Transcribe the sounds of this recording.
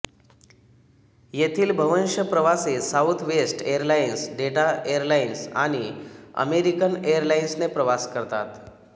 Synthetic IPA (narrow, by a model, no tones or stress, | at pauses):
jet̪ʰiːlbʱəʋənɕəpɾəʋasesaut̪ʰʋesʈeəɾlainsɖeʈaeəɾlainsa̰ɽ̃iə̰meɾikənejəɾlainsnepɾəʋaskəɾt̪a̰t̪